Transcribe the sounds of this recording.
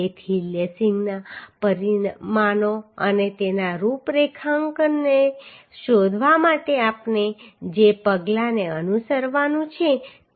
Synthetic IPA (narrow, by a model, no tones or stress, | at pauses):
et̪ʰiljəsiŋɡnapəɾimanoə̰net̪enaɾupɾekʰaŋkne | ʃod̪ʱʋamaʈeapned͡ʒepəɡlaneənusəɾʋanũt͡ʃʰe